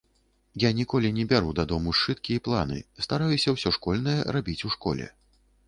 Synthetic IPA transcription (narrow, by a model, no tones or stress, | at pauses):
janʲikɔlʲinʲɛbʲaɾud̪ad̪ɔmuʂt͡ʂɨt̪̚kʲiiplˠanɨ̰st̪aɾajusʲɐwsʲɔʂkɔlʲnɐjɐrabʲit͡sʲuʂkɔ̰lʲɛ̰